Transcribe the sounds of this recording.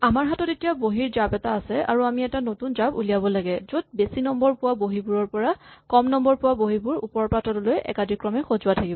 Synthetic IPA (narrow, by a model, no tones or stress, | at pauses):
amaɹɦatɔtetijaboɦiɹzabɛtaːsɛa̰ɹuamiɛtanotunzabṵlijabɔlaɡɛzod̚besinɔmbɔɹpʊwaboɦibuɹɔɹpɔɹakɔmnɔmbɔɹpʊwaboɦibuɹṵpɔɹɔpɹatʰɔtɔlojʔɛ̰kadʱikɹɔmɛxozʊwatʰakibɔ